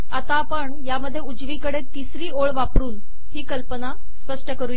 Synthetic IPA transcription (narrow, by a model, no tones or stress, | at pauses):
at̪apəɳjaməd̪ʱːjeud͡zʋiːkəɽet̪isɾiːoɭʋapɽuːn | hiːkəlpəna | spəʂʈəkəɾuːje